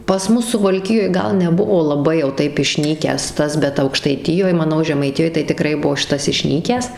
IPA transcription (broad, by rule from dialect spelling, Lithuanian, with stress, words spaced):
pɐs ˈmʊs sʊʋɐlʲˈkʲɪjoːj ˈɡɐlˠ nʲɛˈbʊʋoː lˠɐˈbɐɪ jɛʊ ˈtɐɪp ɪʃʲˈnʲiːkʲæːs ˈtɐs bʲɛt ɐʊkʃtɐɪˈtʲɪjoːj mɐˈnɐʊ ʒʲɛmɐɪˈtʲɪjoːj tɐɪ tʲɪˈkrɐɪ ˈbuɔ ˈʃʲɪtɐs ɪʃʲˈnʲiːkʲæːs